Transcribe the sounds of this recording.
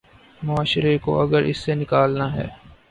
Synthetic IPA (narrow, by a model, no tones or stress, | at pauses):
mʊaːʃɾeko̰ʔɐɡəɾʔɪ̰sːenɪkaːlnaɦɛː